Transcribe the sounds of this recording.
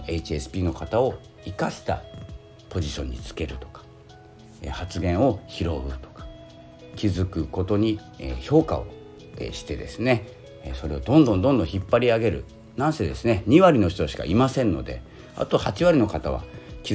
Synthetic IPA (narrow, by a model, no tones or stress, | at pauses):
eit͡ɕiesɨ̥pʲiːno̞kat̪ao̞ | ikaɕi̥t̪a̰ | po̞ʑiɕõ̞ɲ̟ːit͡sɨ̥ke̞ɾɯ̟t̪o̞̥kḁ | ehat͡sɨɡẽ̞ɰ̃o̞çiɾo̞ɯ̟t̪o̥kḁ | kʲizɨkɯ̟ko̞t̪o̞ɲ̟i | ḛço̞ːka̰o̞̰ | ḛɕi̥t̪e̞d̪e̞̰sɨne̞ | so̞ɾe̞od̪õ̞nd̪õ̞nd̪ond̪õ̞çʲipːaɾʲiaɡe̞ɾɯ̟̰ | nãɰsed̪e̞sɨne̞ɲ̟iβaɾʲino̞çi̥t̪oɕi̥ka̰imasẽ̞nːo̞̰d̪e̞̰ | a̰t̪o̞hat͡ɕiβaɾʲino̞kat̪aβ̞a̰kʲi